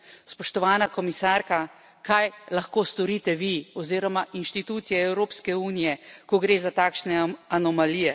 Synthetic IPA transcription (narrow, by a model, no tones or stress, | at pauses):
spɔʃt̪ɔʋaːnakɔmisaːɾka | kajlaxkoːst̪ɔɾiːt̪ɛʋiɔziːɾɔmaʔinʃt̪it̪uːt̪sijɛɛwɾoːpskɛuːnijɛkɔɡɾeːzat̪aːkʃnɛanɔmalijɛ